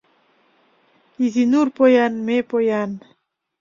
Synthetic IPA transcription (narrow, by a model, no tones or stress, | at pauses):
izinuɾpojanmepojan